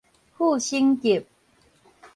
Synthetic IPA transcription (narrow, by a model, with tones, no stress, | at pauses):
hu˥˨ɕi˦ŋki˨˩p̚